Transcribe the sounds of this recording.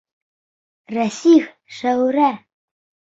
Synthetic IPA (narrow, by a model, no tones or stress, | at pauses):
ræsif | ʃæwɾæ